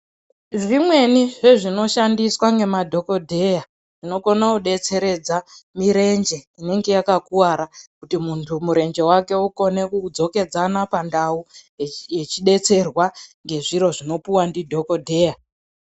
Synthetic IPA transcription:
ʐimwe̞niʐe̞ʐino̞ʃandiswaŋɡe̞madʱo̞ko̞dʱe̞ja | ʐ̥ino̞konakuɗe̞t͡se̞ɾe̞d͡zamiɾe̞nd͡ʒe̞ine̞ŋɡe̞jakakuwaɾakutimuntʰumuɾe̞nd͡ʒe̞wake̞uko̞ne̞kud͡zo̞ke̞d͡zanapandaujet͡ʃiɗe̞t͡se̞rwaŋɡe̞ʐiɾo̞ʐino̞puwandidʱo̞ko̞dʱe̞ːja

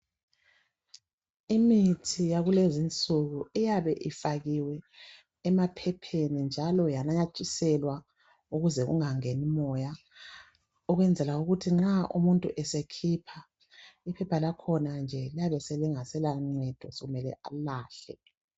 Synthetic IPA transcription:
imitʰijaɣulezint͡sʼuɣuijaβɛʔifaɣiwɛː | mapʰɛpʰenind͡ʒʱalɔjanaɲat͡ʃʼisɛlwa | uɣuzɛɣṵŋaŋenimɔja | uɣwɛnd͡zʱɛlauɣutʰiŋ͡ǁaʔṵmuntʼṵʔɛsekʰipʰa | ipʰɛpʰalakʰɔnand͡ʒʱɛlijaβɛsɛliŋasɛlaŋ͡ǀɛd̥ʱɔ̰sɔɣumɛlɛ̰ʔalaːɬɛ̰

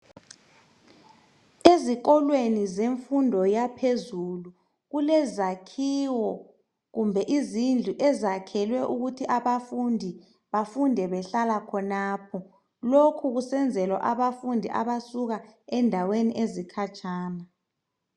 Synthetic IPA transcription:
eziɣɔlwenizeɱfundʱɔjapʰezulu | ɣulɛzakʰiwɔ | ɣumbʱɛʔizind͡ɮʱuʔɛzakʰɛlwɛʔuɣutʰiʔaβafundʱi | βafundʱɛβɛɬalakʰɔnaːpʰɔ | lokʰuɣusɛnd͡zʱɛlwa̰ʔaβafundʱiʔa̰βasuɣaɛndʱaweniʔezikʰat͡ʃʰʼaːna

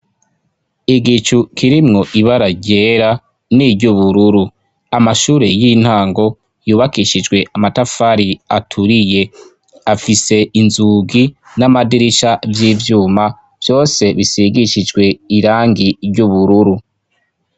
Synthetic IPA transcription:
iɡit͡ʃukʰiɾimŋo̞ʔiβaɾaɟeːɾa | niɾɟuβuɾuɾu | amaʃuːɾe̞jin̥haːŋɡo̞ | juːβakiʃid͡ʒɡwe̞ʔamatafaɾiatʰuɾije̞ | afise̞inzuːɡi | namadiɾiʃavjiːvjuːma | v̥jo̞ːse̞βisiɡiʃid͡ʒɡwe̞iɾaːŋɡiɾɟuβuɾuɾu

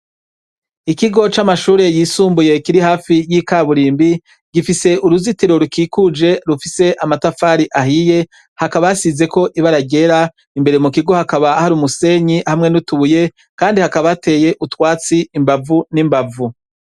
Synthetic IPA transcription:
ikiɡo̞t͡ʃamaʃuːɾe̞jiːsuːmbuje̞kiɾihaːfijikaβuɾiːmbi | ɡ̥ifise̞ʔuɾuzitiɾo̞ɾukiːkud͡ʒe̞ɾufise̞ʔamatafaːɾiʔaɦije̞ | hakaβajasize̞ko̞ʔiβaɾaɟe̞ɾa | imbe̞ɾemukiɡo̞hakaβahaɾuːmuse̞ːɲihamŋe̞nutuβuje̞ | kaːndihakaβate̞ːje̞ʔutwaːt͡siːmbavunimbavu

